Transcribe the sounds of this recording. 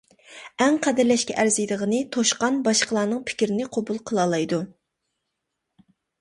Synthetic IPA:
ɛŋqʰæd̪ɪɾlɛʃkʲɛʔæɾzijd̪əʁənɨt̪ʰoʃqɑnbɑʃqəlˠɑːnɨŋpʰɪ̥kʲɾɪnɪqʰobulˠqʰəlˠɑlˠɑjd̪u

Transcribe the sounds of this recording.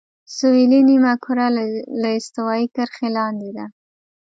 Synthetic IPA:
sʊilinimakʰuɾalaɪst̪awɑikəɾxelɑnd̪ed̪a

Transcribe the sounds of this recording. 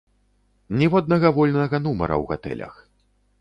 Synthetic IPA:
nʲɛvɔd̪̚nɐɣɐvɔlʲnɐɣɐnumɐ̰ɾɐ̰wɣa̰t̪ɛ̰lʲɐ̰x

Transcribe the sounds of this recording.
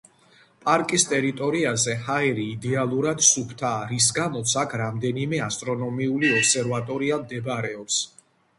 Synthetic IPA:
pʼaɾkʼist̪ʼɛɾit̪ʼɔɾiazɛhaɛɾiːd̪ɛalˠuɾad̪supʰt̪ʰaːɾis̬ɡamɔt̪sʰakʰɾamd̪ɛnimɛast̪ʼɾɔnɔmiuliɔpsɛɾvat̪ʼɔɾiamd̪ɛbɾɛɔps

